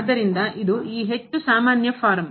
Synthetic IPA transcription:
d̪ːɐɾind̪ɐʔid̪uiːɦe̞t͡ʃːusaːmaːnjɐpʰaːɾɐm

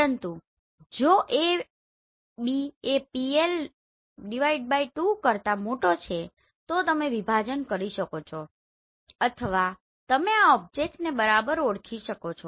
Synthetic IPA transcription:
ənt̪u | d͡ʒoʔe | biepiel | ɖiʋaiɖ̚baiʈukəɾt̪amoʈot͡ʃʰe | t̪ot̪əmeʋibʱad͡ʒənkəɾiʃəkot͡ʃʰo | ət̪ʰəʋa | t̪əmeaɔb̚d͡ʒek̚ʈnebəɾabəɾoɽkʰiʃəkot͡ʃʰo

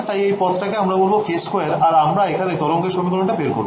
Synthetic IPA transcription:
t̪ajejpɔt̪ʈakeamɾabolbofeskoeɾaɾamɾaekʰanet̪ɔɾoŋkeʃomikɔloɳʈabeɾko̰ɾb

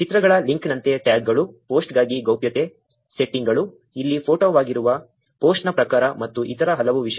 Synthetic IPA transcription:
t͡ʃit̪ɾɐɡɐɭɐliŋknɐnt̪e̞ʈjaːɡːɐɭupo̞ːsʈɡaːɡiɡɐwpjɐt̪e̞ | seʈːiŋɡɐɭu | ilːipʰoːʈoːʋaːɡiɾuʋɐ | poːsʈnɐpɾɐkaːɾɐmɐt̪ːuʔit̪ɐɾɐɦɐlɐʋuʋiʃɐ

